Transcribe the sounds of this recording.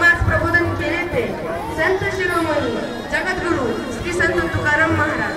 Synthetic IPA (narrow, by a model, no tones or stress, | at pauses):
mad͡zpɾɐbod̪ənkelet̪e | sɐnt̪əɕiɾoməju | d͡ʑɐɡət̪ɡuɾuːn | sɾiːsənt̪ət̪ukaɾəmːɐɦaɾa̰d͡ʑ